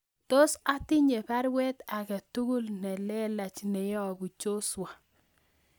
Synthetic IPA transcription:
to˦sa˦ti˦ɲe˨pa˦ɾwɛ˦t̪a˨kɛ˨tu˦ɡu˦lnɛ˨lɛ˦la˨t͡ʃnɛ˨jɔ˦˨bu˨t͡ʃo˦swa˨

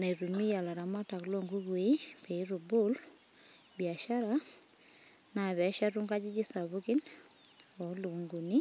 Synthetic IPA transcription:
na˨i˨ɾu˨ni˦ja˨la˨ɾa˨ma˦ta˨klɔ˦ŋɡu˦ɣwe˦pe˨i˦ɾu˨bul | bia˨ʃaɾa | na˨βɛ˨˦ʃa˦ɾu˦ŋɡa˦d͡ʒi˦d͡ʒi˦sa˨βuki˦n | ɔ˨lu˨ŋɡu˨ni˦

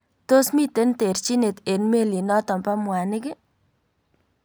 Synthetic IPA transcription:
t̪o˦smi˦t̪e˨˦nte˨ɾt͡ʃi˦ne˨t̪e˨nme˦˨li˨nɔ˦t̪ɔ˨mpa˦mwa˨nɪ˦ɡɪ˦

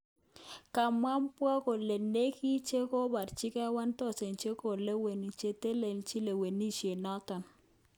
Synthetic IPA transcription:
ka˨mwa˦mpwɔ˦ko˨le˨ne˦ki˦t͡ʃe˦ko˦ba˨ɾt͡ʃi˦kɛ˦wa˦nt̪ɔ˦˨se˨nt͡ʃe˦ko˨le˦we˨ni˨t͡ʃe˦te˦le˨nt͡ʃi˦le˨we˨ni˦t͡ʃe˨nɔ˦t̪ɔ˨n

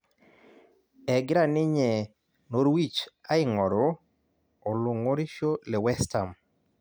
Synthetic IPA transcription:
ɛ˨ɡɪ˦ɾa˦˨nɪ˦ɲɛ˨ | no˦ɾwi˦t͡ʃa˦ɪ˦ŋɔ˨ɾoː˨ | lʊ˨ŋo˦ɾɪ˦ʃo˦lɛ˨wɛ˦sta˨m

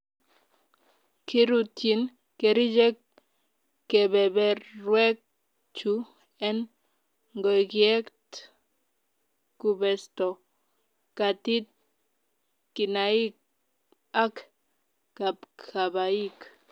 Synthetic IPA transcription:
kʰi˦ɾu˧t̪i˨n | ke˨ɾi˦d͡ʒe˦k | kːe˨be˨be˨ɾwe˦k̚ | t͡ʃu˦ | e˦n | ŋɡo˨jɡje˦kt̪ | ku˧be˨st̪o˨ | ka˨t̪i˦t̪̚ | ki˨nai˦k̚ | a˦k | ka˨pkʰa˨βa˨i˦k

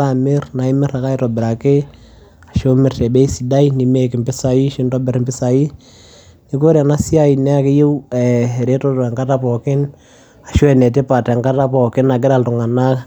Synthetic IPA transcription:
la˦˨mɪ˦rna˨ɪ˦mɪ˦ra˨ka˦i˦tɔ˨bɪ˨ɾa˨kɪ˦ | a˨ʃo˦mɪ˨rtɛ˨be˦i˦si˨da˦ini˨me˦kɪ˨mbɪ˦sa˨i˦ʃɪ˦ntɔ˦bɪ˨ɾmbɪ˦sa˨i˦ | ni˨ko˦ɾa˨na˦si˦a˦i˨nɛ˦a˦kɪ˦je˦wɛɛ˨ɾe˦tɔ˦tɔ˨ɛ˨ŋka˦ta˦pɔ˨kɪ˦n | a˨ʃo˦ɛ˨nɛ˨tɪ˦pa˨tɛ˨ŋka˦ta˦pɔ˨kɪ˦na˨ɡ̬ɪ˦da˦˨ltʊ˨ŋa˨na˦

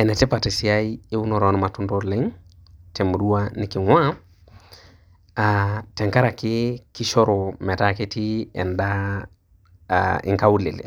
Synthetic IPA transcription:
ɛ˨nɛ˨tɪ˦pa˨ti˨si˨a˦ie˦u˦nɔ˨ɾɔ˦n˨ma˨tʊ˦ndo˦lɪ˦ŋ | tɛ˨mu˨ɗu˦a˦nɪ˨kɪ˨ŋwã˦ | atɛ˨ŋka˦ɾa˨kɪ˦ki˦ʃɔ˦ɾo˨mɛ˨ta˦kɪ˦ti˦ɛ̰˨nda˦ | ɪ̰˨ŋka˦u˦le˨lɪ̰˨

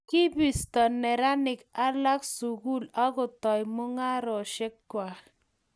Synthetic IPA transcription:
ki˦bi˨stɔ˨nɛ˨ɾa˦nɪ˨ka˦la˦ksu˨ɡu˦la˦kʊ˨tɔ˨jmʊ˦ŋa˦ɾɔ˨ʃɛ˦kkwa˨

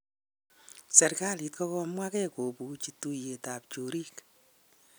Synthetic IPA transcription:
sɛ˨ɾka˦li˨tkɔ˦kɔ˧mwa˦kɛ˦ko˨pu˨t͡ʃi˨tu˦je˨ta˨p̚t͡ʃo˨ɾi˦k

